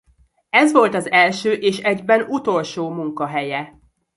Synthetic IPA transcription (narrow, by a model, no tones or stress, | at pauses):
ɛzʋo̞lt̪ɒzɛlʃøːʔeːʃɛɟbɛnut̪o̞lʃoːmuŋkɒɦɛjɛ